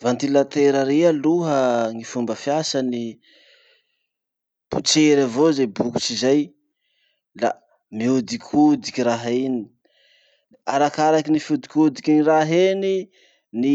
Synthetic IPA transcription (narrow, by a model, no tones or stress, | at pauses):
vant̪ilat̪eɾəɾealuɦəŋifumbəfjasani | b̥ut͡seɾavozejbuku̥t͡ʃizaj | la̰ | miud̪ikʰud̪ikʲiɾaɦini | aɾakaɾakinifud̪i̥kud̪ikiniraɦeni | ni